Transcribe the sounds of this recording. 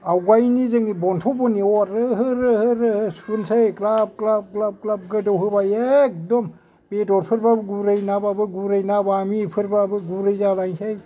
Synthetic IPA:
awɡajnizɯŋibɔntʰɔbɔniɔtɯɦɯɾɯhɯɾɯhɯspɯnsajklap̚klap̚klap̚klap̚ɡɯdɔwhɯbajek̚dɔm | betɔt̚pʰɯɾbabɯɡuɾɯjnababɯɡuɾajnabamipʰɯɾbabɯɡuɾɯjzalajnsaj

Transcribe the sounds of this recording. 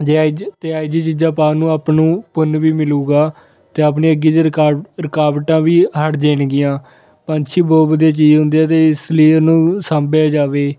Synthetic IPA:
d͡ʒeat̪eːaːid͡ʒiːt͡ʃiːd͡ʒãːpaːnũːaːpnũːpʊnʋiːmɪluːɡaː | t̪eːap̬neːəɡiːd̪eɾɪkaːʋʈãːʋiːɦəɽd͡ʒeːnɡɪjãː | pə̃nt͡ʃʰiːboːbəd̪eaːt͡ʃiːd͡ʒɦʊ̃nd̪eːɛːt̪eːɪsləiːonũːsãːmbaːd͡ʒaːʋeː

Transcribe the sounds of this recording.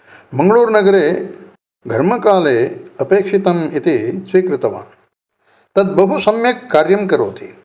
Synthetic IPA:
mɐŋɡɭuːɾnɐɡɐɾeː | ɡʱɐɾmɐkaːleːɐpeːkʂit̪ɐmit̪isʋiːkɾɪt̪ɐʋa̰ː | t̪ɐd̪̚bɐɦusɐmjɐkːaːɾjɐmkɐɾoːt̪ʰḭ

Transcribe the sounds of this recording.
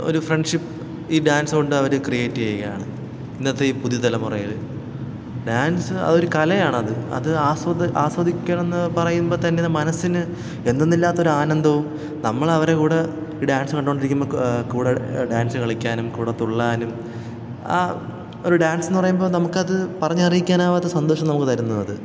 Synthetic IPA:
o̞̰ɾufreɳɖʂipː | iːɖaːnsɨɣo̞ɳɖɨɐʋɐɾɨkrijeːtːiejkːɐja̰ːɳɨ | inːɐt̪ːeiːpuðijɐt̪ɐlɐmurɐ̰jɐ̰l | ɖaːnsɨɐ̰ðo̞ɾukɐlɐjaːɳɨɐðɨɐ̰ðɨaːswɐaːswɐd̪ikʲːaːɳenːɨpɐrɐjumbo̞ːt̪ɐnːenːɐmɐnɐsːinɨ | end̪o̞nːilːaːt̪ːɐo̞ɾuaːnɐnd̪ʱɐʋum | nɐmːɐɭɐʋɐɾe̞kuːɽe | iːɖaːnsɨkɐɳɖuooɳɖiɾikʲːumbokuːɽeɖaːnsɨkɐɭikʲːaːnumkuːɽet̪ːuɭːaːnum | a | oɾuɖaːnsenːɨpɐrɐjumbo̞ːnɐmukːɐðɨpɐrɐɲːɨɐrijikʲːaːnaːʋɐt̪ːɐsɐnd̪o̞ːʂɐmnɐmukːɨt̪ɐɾunːɐðɐðɨ

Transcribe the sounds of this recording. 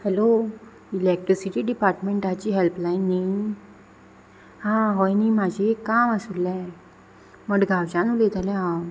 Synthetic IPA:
hɛlo | ilek̚ʈɾisiʈiːɖipaɾʈmeɳʈat͡ɕiːɦɛlplajniŋ | hãɦɔjniːmad͡ʑʱikːaməsulɛ̃ | məɽɡʱawd͡ʑanulet̪alɛ̃ɦãw

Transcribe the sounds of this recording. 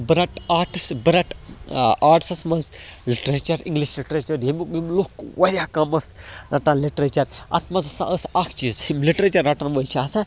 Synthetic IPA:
bɾɐʈaːʈisbɾɐʈ | aːʈsɐsmɐnzliʈɾet͡ʃɐɾḭ̃ŋɡliʃliʈɾet͡ʃɐɾjimmimlokwɐɾʲaːkɐmɐsɾʔɐ̰ʈanliʈɾet͡ʃɐɾɐ̰t̪ʰmɐzɐsa̰əsakʰt͡ʃizimliʈɾet͡ʃɐɾːɐʈanʋolʲt͡ʃʰaːsɐ

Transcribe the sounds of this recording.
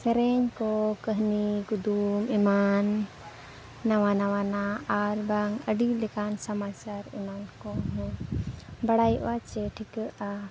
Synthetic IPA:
səɾɛɲkɔkəɦniɡud̪umiman | awanawanaaɾbaŋəɖilɛkansɐmat͡ʃaɾunankɔɦɛ̃ | bɐɽajʔat͡ʃɛʈʰikəʔa

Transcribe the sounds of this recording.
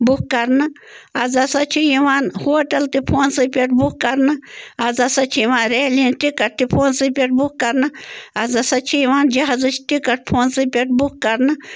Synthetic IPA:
bukkɐɾnɨ | ɐzɐsɐt͡ʃʰijiʋaːnhoːʈɐlt̪ipʰoːnsɨpʲeʈ̚bukkɐɾnɨɐzɐsɐt͡ʃʰiiʋaːnɾeːlinʈikɐʈ̚t̪ipʰoːnsɨpʲeʈ̚bukkɐɾnɨɐzɐsɐt͡ʃʰijiʋaːnd͡ʒɐɦazɨt͡ʃʰʈikɐʈ̚pʰoːnsɨpʲeʈ̚bukkːɐɾnɨ

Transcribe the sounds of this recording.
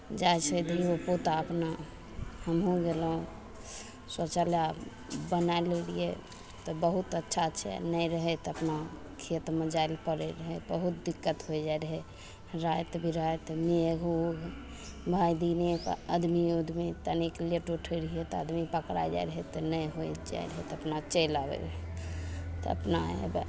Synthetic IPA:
d͡ʒajt͡ʃʰəd̪iopot̪aəpna | həmɦũɡelũ | sot͡ʃəlja | bənaelelḭḛ | t̪ɔbəɦut̪ətːʃʰaəːʃʰɛ̰nəjɾəɦɛt̪əpna | kʰet̪mẽd͡ʒaelpəɾɛɾəɦɛbəɦut̪̚d̪ikːət̪ɦojd͡ʒajɾəɦɛ | ɾajt̪bʱiɾəɦɛt̪meɡuɡ | bʱajd̪inekəd̪miud̪ʱmet̪ənikleʈuʈʰəɾɦijet̪ɔəd̪mipəkɾa̰jd͡ʒa̰jɾəɦɛt̪ɔnəjɦod͡ʒa̰j̰ɾəɦɛt̪əpnat͡ʃelabḛɾəɦɛ | t̪ɔə̰pna̰ḛb

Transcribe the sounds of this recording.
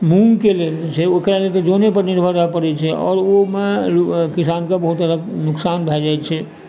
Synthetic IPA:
muŋkelet͡ʃʰɛokɾalet̪od͡ʒonepəɾniɾbʱad̪apəɾɛt͡ʃʰɛɔ̰ːɾomekisankebəɦut̪əd̪əknʊksanbʱɛd͡ʒajt͡ʃʰɛ

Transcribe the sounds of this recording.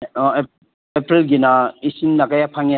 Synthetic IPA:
epɾilɡinaisimnakajapʰaŋja

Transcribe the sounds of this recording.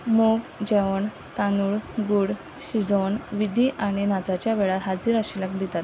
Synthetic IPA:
mokd͡ʑɛʋəɳ | t̪anuɭɡuɽ | ɕid͡zonʋid̪iʔaɽ̃inad͡zat͡ɕjaʋeɭaɾɦad͡ziɾaɕiləkd̪it̪at̪

